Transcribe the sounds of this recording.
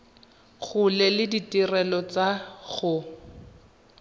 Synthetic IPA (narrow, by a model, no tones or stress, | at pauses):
ɣʊlɛlɪditirɛlɔt͡saɣʊ